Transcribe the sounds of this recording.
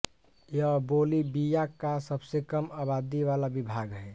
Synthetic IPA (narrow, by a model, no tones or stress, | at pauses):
jəbolibijakasəbsekəmabad̪iʋalabibʱaːɡɦɛ